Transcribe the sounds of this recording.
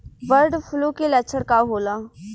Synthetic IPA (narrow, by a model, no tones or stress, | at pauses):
ʋəɾɖfʰʊlokelɛt͡ʃʰəɽkaɦoːlaː